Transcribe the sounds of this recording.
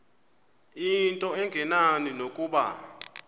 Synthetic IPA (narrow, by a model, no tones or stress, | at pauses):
intʼɔɛŋɡʱɛnaninokʼuːɓa̰